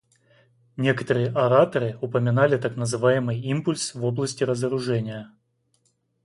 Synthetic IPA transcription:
nʲe̞kə̥t̪əɾɨjəʔɐɾat̪əɾɨʊpəmʲɪnalʲɪt̪aknəzɨvajɪmɨjimpʊlʲsvo̞blˠəsʲtʲɪɾəzəɾʊʐɛnʲɪjə

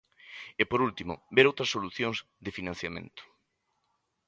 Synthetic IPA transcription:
epoɾult̪imʊ̰beɾowt̪ɾɐsoluθjoŋz | d̪ɪfinãn̟θjamḛ̃nt̪ʊ̥

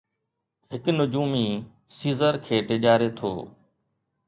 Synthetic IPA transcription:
ɦɪknʊd͡ʒuːmiː | siːzəɾkʰeːʈeʄaːɾeːt̪ʰo̰ː

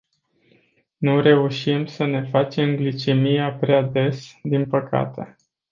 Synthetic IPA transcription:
nuɾe̞uʃimsəne̞fat͡ʃe̞mɡlit͡ʃemijapɾead̪e̞sd̪inpəka̰t̪e̞̰

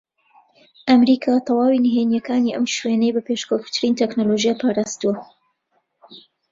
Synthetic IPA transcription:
ʔɐmɾiːkʰaːt̪ʰɑwɑːwiniɦenjɐkaːniʔɐmʃwenejbɐpeʃkʰowft̪ʰɨɾiːnt̪ʰeknoloʒijapʰaːɾaːst̪uɐ

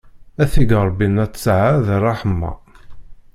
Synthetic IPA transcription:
æθiɡɾˤbːinæt͡sːsʕaðrˤːɑħəmːɑ̰

